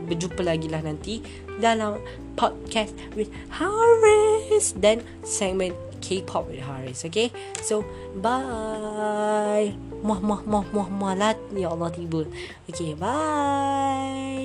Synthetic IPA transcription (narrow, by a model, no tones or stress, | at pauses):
bəd͡ʒupəlaɡilahnãnt̪i | dalaw | pʰɔt̚kɛst | wit̚ | haɹisdɛ̃n | sɛŋmə̃n | kʰepʰɔp̚witɦaɹisoke | so | ba | j | mɔmɔmɔmɔmɔlat̚jaɔlːɔt̪ibə | okeba | j